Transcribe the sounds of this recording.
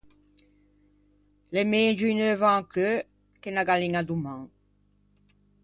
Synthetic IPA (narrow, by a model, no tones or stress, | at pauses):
lemeːd͡ʒynøvãːkø | kenaɡaliŋad̪umãŋ